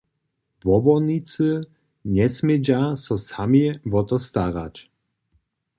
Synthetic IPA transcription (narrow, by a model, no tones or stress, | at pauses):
vɔbɔnit͡sɨ | ɲɛsmɛd͡ʒasɔsamevɔt̪ɔst̪aʁa̰t͡ʃ